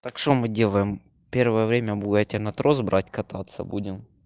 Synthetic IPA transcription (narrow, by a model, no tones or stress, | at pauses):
t̪akʂt̪omɨdʲe̞lˠəjɪm | pʲe̞rvəjəvɾʲemʲɐbuɡatʲɪnɐt̪ɾozbɾʔatʲkɐt̪at̪sə̰budʲɪm